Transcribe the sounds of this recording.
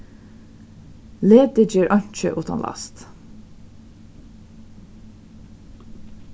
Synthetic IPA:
leːd̪əd͡ʒiːɹʔɑnt͡ʃə̰ʔʉːt̪ʰɑ̰nlɑ̰st̪

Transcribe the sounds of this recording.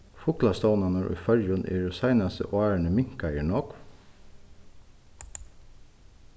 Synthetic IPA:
fʊklɑst̪ɑʊnɑnɔɾʔʉ̰ːfœɾjʊnʔḭːɹʊsɑɪnɑsə̰ʔoæːɳəmɪŋkɑjiɳoːk

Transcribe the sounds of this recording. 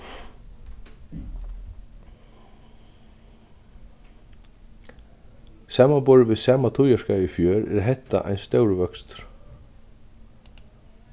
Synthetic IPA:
saːmanbɔːɾvɪðsaːmat̪ʰujaʂkaːjɪfjœːɾɛ̰ɾaɦɛht̪ːa̰ʔa̰jnst̪œːwɾvœkst̪ɾ̥

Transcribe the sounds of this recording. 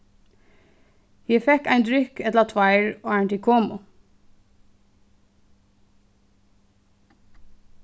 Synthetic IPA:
jiɪfɛkæɪnd̪ɾʏkɛt̪lɑt̪ʰʋɑɪɹoːæɳʈ̪ɪkʰoːmʊ

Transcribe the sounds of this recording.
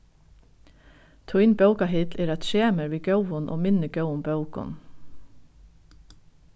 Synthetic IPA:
t̪ʰʊɪnbœʉkɑhɪt̪leːɾɑt̪ʃeːməɾʋiːɡœʊɔnʔo̰ːmɪnəɡœʊʊmbɑʉkɔ̰n

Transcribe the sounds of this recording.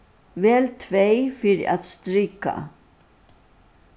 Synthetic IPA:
vɛːlt̪ʰvejfɪɾɪʔaðst̪ɾiːka̰

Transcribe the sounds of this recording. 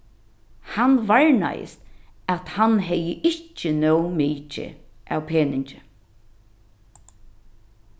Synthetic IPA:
hanʋaɹna̰jɪ̰st̪æt̪hanɦɛjəʔɪt͡ʃːənœwmiːt͡ʃɪ̰ʔa̰wpʰeːnɪɲt͡ʃɪ

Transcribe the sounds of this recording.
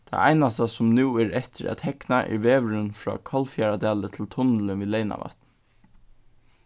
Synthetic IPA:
t̪ʰɑ̰æ̰ɪnast̪asʊmnʉːæɹɛt̪əɾæ̰t̪hɛknaʔɛ̰ʋeːʋɹənfɹɑ̰ːkʰɑlfjæɹad̪æːlət̪ʰɪlt̪ʰʊnləʋiːleɪna̰ʋɑ̰t̪n

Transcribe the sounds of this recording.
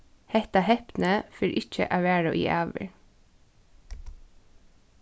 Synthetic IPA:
hɛht̪ɑhɛpnəfɪɾʔɪc͡çə̰ʔæʋæːɹəʔḭːʔæːʋə̰ɹ

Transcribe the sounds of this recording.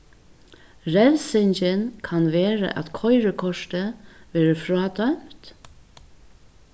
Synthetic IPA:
ɾɛlsɪɲt͡ʃənkʰanʋeːɾə̰ʔæ̰t̪kʰɔɪɾəkʰɔʂt̪əʋɛːɾəfɾɑːd̪œmt̪

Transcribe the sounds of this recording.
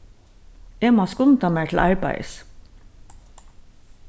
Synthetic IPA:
eːmɑːskʊnt̪ʰɑːmæːʈʰl̩ʔɑ̰ɹbæ̰ɪs

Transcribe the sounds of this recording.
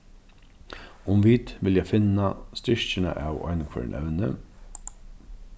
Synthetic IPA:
ʊmʋiːt̪ʋɪljæfɪnɑst̪ʏʃçəɳə̰ʔɑːʋɑ̰ɪnkʰɛ̰ːɹɳʔɛ̰ʋnə

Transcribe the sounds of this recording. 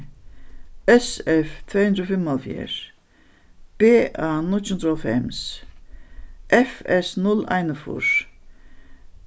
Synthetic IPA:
ɛsɛft̪ʰveːhʉnd̪ɾofɪmalfjḛːɹ | b̥eːʔanʊt͡ʃʰʊnd̪ɾɔfɛ̰ms | ʔɛfɛsnʊla̰jnəfṵɹ

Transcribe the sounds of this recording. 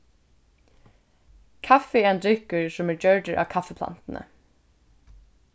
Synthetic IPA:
kʰafɪɛːɛnd̪ɾʏkəɹsɔmæːɹd͡ʒœɹɖəɹʔɑ̰ːʋkʰafəpʰla̰nt̪ən̩ʔə̰

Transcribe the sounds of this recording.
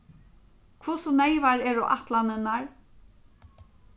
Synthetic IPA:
kʰvʊsɔnejvaɾɛɾʊʔaht̪lanɪnaɹ

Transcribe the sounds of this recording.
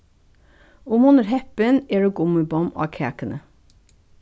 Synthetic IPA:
ʊmʊnəɾhɛpəneːɖuːɡʊməbɔmʔɑ̰ːkʰæːkənə

